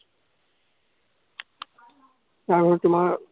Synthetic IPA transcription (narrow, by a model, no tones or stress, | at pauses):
taɹbʱɔɹtʊmaɹ